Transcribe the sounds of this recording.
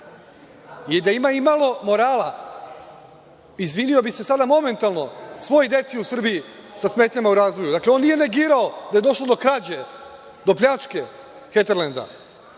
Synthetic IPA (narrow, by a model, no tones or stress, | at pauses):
id̪aimaimalˠo̞mo̞ɾaːla | izʋinio̞bise̞sad̪amo̞me̞nt̪alˠno̞sʋo̞jod̪e̞t̪siusr̩biisasmet̪ɲamauɾaːzʋo̞jud̪akleo̞nːije̞ne̞ɡiːɾao̞d̪aje̞d̪o̞ʃlo̞d̪o̞kɾad͡ʑe | d̪o̞pʎʲat͡ʃke̞ | xet̪eɾlend̪a̰